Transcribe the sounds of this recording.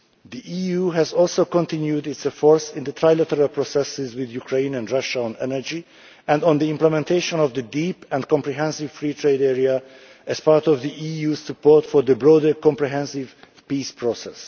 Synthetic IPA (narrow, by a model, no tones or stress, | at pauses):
ðiʔijuɦæzɔlˠsoʊkɔ̃ntɪ̃njudɪtsɛfɔɹsɪ̃nðət̪ʰɹaɪlæt̪əɹalˠpʰɹɔsɛsɪzwɪðjukʰɹẽɪ̃næ̃ndɹʌʃaɔ̃nɛnə˞d͡ʒi | æ̃ndɔ̃nðiɪ̃mpləmɛ̃ntʰeɪʃɔ̃nɔvðədipɛ̃nkɔ̃mpɹiɦɛ̃nsɪv̥fɹiːtʰɹeɪdɛɹia | ʔæz̥paɹtɔvðiʔijuːzsəpɔɹtfɔɹðəbɹɔdə˞kɔ̃mpɹiɦɛ̃nsɪv̥ | pispʰɹɔsɛ̰s